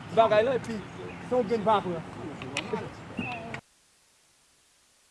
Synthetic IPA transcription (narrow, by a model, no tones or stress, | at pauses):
baɡailopisoɡinbak